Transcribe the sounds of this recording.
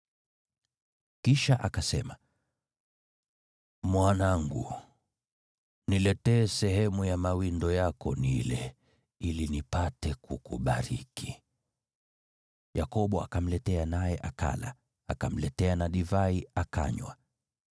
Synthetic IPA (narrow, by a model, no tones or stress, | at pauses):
kiʃaʔakasɛma | mwanaŋɡu | nilɛtɛːsɛɦɛmujamawindɔjakɔ̰nilɛ | ilinipatɛkukuɓaɾikʰi̥ | jakɔɓɔa̰kam̩lɛtɛanajɛʔaka̰la̰ | a̰kam̩lɛtɛanaɗivaiaka̰ɲwa̰